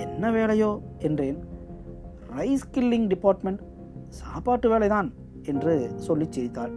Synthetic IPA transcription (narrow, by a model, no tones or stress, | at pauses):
ɛnːɐʋeːlɐjoːɛndreːn | ɾɐɪskɪlːɪŋɡɖɪpːaːɾʈmɛɳʈ | saːpaːʈːɯʋeːlɐɪt̪aːn | ɛndrɯsɔlːɪt͡ʃːɛɾɪt̪ːaːl